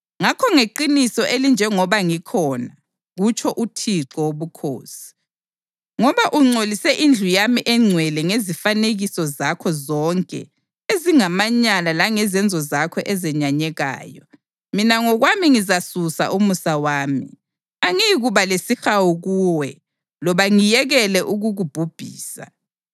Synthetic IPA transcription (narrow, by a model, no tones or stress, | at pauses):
ŋakʰɔŋeǃinisɔʔelind͡ʒʱɛŋɔβaŋikʰɔna | ɣut͡ʃʰɔʔutʰiǁɔwoβukʰo̰ːsi̥ | ŋɔβaʔuŋ͡ǀʱolisɛʔind͡ɮʱujamiʔɛŋ͡ǀʱwɛlɛŋezifaneɣisɔzakʰɔzɔŋkʼɛ̰ | eziŋamaɲalalaŋɛzɛnd͡zʱɔzakʰɔʔɛzɛɲaɲɛɣa̰ːjɔ | minaŋɔɣwamiŋizasusa̰ʔumusawaːmḭ | aŋiɣuβalesixawuɣuːwɛ | lɔβaŋijɛɣɛlɛʔuɣuɣub̥ʱub̥ʱḭːsa̰